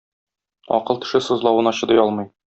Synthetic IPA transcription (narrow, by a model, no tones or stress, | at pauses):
ɒ̰qɤlˠt̪ɘ̥̆ʃɘsɤ̆zlˠɑwɤ̆nɒɕɤ̆d̪ɤjɒlˠmɤj